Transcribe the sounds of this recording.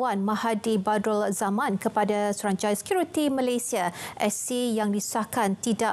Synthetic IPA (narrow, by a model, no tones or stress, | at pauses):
wanmãhadibadɔlzamãnkəpadasuɾaɲt͡ʃajsə̥kjuɾit̪imə̃lajsiaʔɛsijaŋliu̥sahkant̪ida